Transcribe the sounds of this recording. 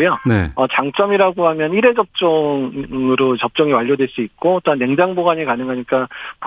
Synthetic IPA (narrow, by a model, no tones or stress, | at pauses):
jonḛʌt͡ɕaŋt͡ɕ͈ʌmiɾaɡoɦamjʌniɾe̞d͡ʑʌp̚t͡ɕ͈ʌŋɯɾot͡ɕʌp̚t͡ɕ͈ʌŋiwaʎːodwe̞ɭs͈uit̚k͈ot͈oɦanːeŋd͡ʑaŋboɡaɲikanɯŋɡʱaɲik͈ap